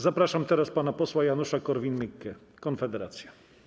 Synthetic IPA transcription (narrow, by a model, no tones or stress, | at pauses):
zapɾaʂamt̪ɛɾaspanapɔswajanuʂakɔɾvʲinmɘkːɛ | kɔnfɛd̪ɛɾat̪sʲja